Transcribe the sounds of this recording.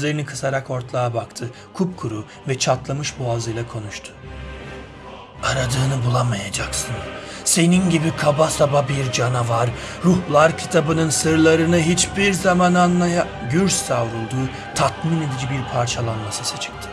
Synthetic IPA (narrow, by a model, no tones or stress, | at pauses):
zlʲeɾinikʰɯsaɾako̞ɾt̪lˠaːabakt̪ʰɯ | kʰup̚kʰuɾu | vɛt͡ʃʰat̪lˠamɯʃbuazɯjlˠakʰo̞nuʃt̪ʰʊ̥ | aɾad̪ɯːnɯbulˠamajad͡ʒaksɯnse̞ninɟibikʰabasababiɾd͡ʒanavaɾɾuhlˠaɾcʰi̥t̪ʰabɯnɯnsɯɾlˠaɾɯnɯɦit͡ʃbiɾzamananlˠaja | ɟyɾsːavɾulˠd̪uː | t̪ʰat̪mine̞d̪id͡ʒibiɾpʰaɾt͡ʃʰalˠanmasɯsɯt͡ʃʰɯ̥k̚t̪ʰɯ̥